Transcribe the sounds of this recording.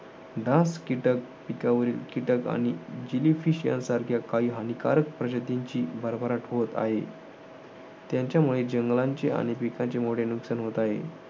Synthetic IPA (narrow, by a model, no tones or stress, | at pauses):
ɖãskiʈək̚pikaʋəɾiːlkiʈəka̰ɽ̃id͡ʑilifiɕijã̰nsaɾkʰjakaɦiːɦanikaɾək̚pɾəd͡ʑət̪iɲt͡ɕiːbʱəɾbʱəɾaʈɦot̪a̰ɦḛ | t̪jãɲt͡ɕjamuɭed͡ʑəŋɡlãɲt͡ɕeʔa̰ɽ̃ipikãɲt͡ɕemoʈenuksənɦot̪aɦḛ